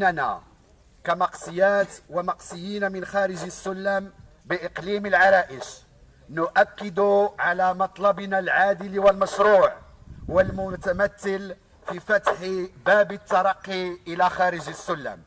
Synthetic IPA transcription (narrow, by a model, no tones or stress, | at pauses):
nænæ̰ | kæmɑqsˤəjːæːt̪wamɑqsˤəjːiːnamənxæːɾəʒəsːʊlːæːm | bəʔəqliməlʕɑɾˤɑʔəʃ | nʊʔækːəd̪uʕalæmɑt̪ˤlɑbnalʕaːd̪əlwəlmæʃɾuːʕwəlmʊt̪æmæt̪ːəl | fifæt̪ħibæːbət̪ːɑɾˤɑqːiʔəlæxæːɾəʒəsːʊlːæ̰ːm